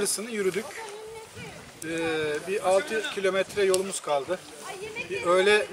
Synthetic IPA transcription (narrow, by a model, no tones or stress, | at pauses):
ɾɯsɯnɯjyɾyd̪ycʲ | ɛːbiʔalˠt̪ʰɯcʰilʲo̞mɛt̪ɾɛjo̞lˠumuz̥kʰalˠd̪ɯ | biʔø̞jlʲɛ